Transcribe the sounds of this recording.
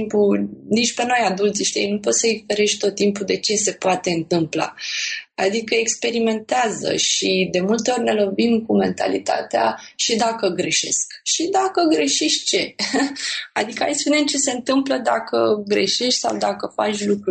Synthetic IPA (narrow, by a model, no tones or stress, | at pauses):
mpunit͡ʃʲpe̞no̞jad̪ult̪siʃt̪ḭjnupo̞t̪səifeɾeʃʲt̪o̞t̪ːimpud̪e̞t͡ʃe̞se̞poat̪e̞ɨnt̪ɨmpla̰ad̪ikəekspe̞ɾime̞nt̪eazə̰ʃid̪e̞mult̪e̞o̞rʲne̞lo̞vimkume̞̰nt̪a̰lḭt̪a̰t̪ea̰ʃid̪akəɡɾe̞ʃe̞̰skʃid̪akəɡɾe̞ʃiʃt͡ʃe̞ | ad̪ikəajspunemt͡ʃe̞se̞ɨnt̪ɨmpləd̪akəɡɾe̞̰ʃeʃt̪ʲsa̰wd̪akəfa̰t͡ʃʲlukɾu